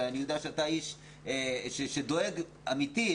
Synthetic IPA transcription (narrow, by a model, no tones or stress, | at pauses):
aanijod̪eaʃeataiʃ | eʃeʃed̪o̞e̞ɡ | amit̪i